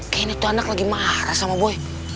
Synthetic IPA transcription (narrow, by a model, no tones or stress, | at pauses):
kainatoanaklaɡimaaɾasamaboe